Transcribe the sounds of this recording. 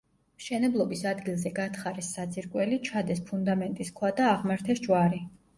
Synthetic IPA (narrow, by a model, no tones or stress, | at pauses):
mʃɛnɛblˠɔbisad̪ɡilˠzɛɡat̪ʰχaɾɛsːad̪ziɾkʼwɛlit͡ʃʰad̪ɛspʰund̪amɛnt̪ʼiskʰwad̪aːʁmaɾt̪ʰɛsd͡ʒʼwaɾi